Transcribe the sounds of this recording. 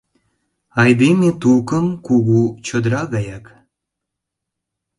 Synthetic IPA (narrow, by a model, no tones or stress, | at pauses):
ɑjd̪emet̪ukəmkuɣut͡ɕod̪ɾɑɣɑjɑk